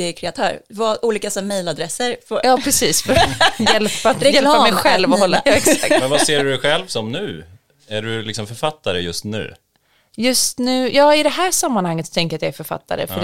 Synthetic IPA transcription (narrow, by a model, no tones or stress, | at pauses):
ɛkʰɾɛat̪ʰœːɾvɑʔuːliːkasɔmejlad̪ɾɛsəɾfjɑːpʰɾɛsiːsfjɛlpːajɛlamɛjɧɛlːvɔhɔlːaːɛksaa̰kmɛnvaseːɖɵdɧɛlvsɔmnʉ̟̰ː | æɖɵlɪksɔmfœɾfat̪ʰːaɾəjɵst̪nʉ̟̰ː | jɵst̪nʉ̟ːjɑːɪd̪ɛɦæːʂamːanhaŋːət̪st̪ʰɛŋk̬əɾat̪jaæɾfœɾfa̰t̪ʰːa̰ɾə̰fœ